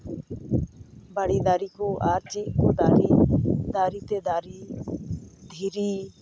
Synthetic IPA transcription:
baɽid̪aɾikɔʔaɾt͡ʃit̪̚kɔd̪aɾid̪aɾit̪ɛd̪aɾi | d̪ʱiɾiː

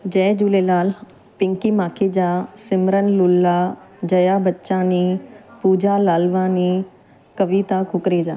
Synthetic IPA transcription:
d͡ʑɐːd͡ʑuːlelaːl | pɪ̃ŋkimaːkʰed͡ʑaːsɪmɾənlʊlːad͡ʑɐjabɐtːɕãniːpuːd͡ʑalaːlʋãːniː | kɐʋit̪akʰʊkɾed͡ʑa̰ː

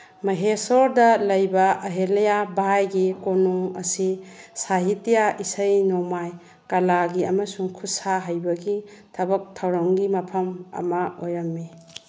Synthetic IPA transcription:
mɐɦesɔɾdɐlɐjbɐɐɦelɐjabajɡikonuŋɐ̰sisaɦitijaʔisɐjnomaj | kɐlaɡiɐmɐsuŋkʰusaɦajbɐɡitʰɐbɐk̚tʰɐwɾɐŋɡimɐpʰɐmɐ̰mɐojɐmːi

